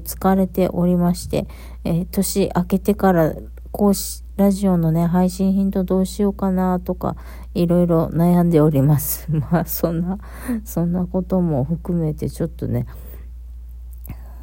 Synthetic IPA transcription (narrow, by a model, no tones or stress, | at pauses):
t͡sɨ̥kaɾe̞t̪e̞̰ʔo̞ɾʲimaɕi̥t̪e̞̰ | t̪o̞ɕiʔake̞t̪e̞kaɾa | ko̞ːɕi̥ | ɾaʑio̞no̞ne̞ɦaiɕĩɰ̃çĩnt̪o̞d̪o̞ːɕio̞kanat̪o̞ka̰ | iɾo̞iɾo̞najãnd̪e̞o̞ɾʲimasɨ̥masõ̞nːa | sõ̞nːako̞t̪o̞mo̞ɸɯ̟kɯ̟me̞t̪e̞t͡ɕo̞t̪ːo̞̰ne̞